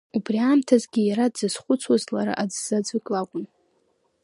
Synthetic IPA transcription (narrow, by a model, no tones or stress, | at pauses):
ubriaːmtʰazɡʲijaɾadzɨsχʷʊt͡sʰwazlaɾa̰ʔad͡zz̥ad͡zɨkʼlakʷʼʊn